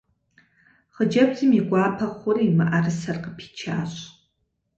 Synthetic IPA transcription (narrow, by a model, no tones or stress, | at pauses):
χəd͡ʒɐbzɨmiɡʷaːpʰɐχʷʊriːmɨʔɐrɨsɐrqəpʰi̥t͡ʃʰaːɕʼ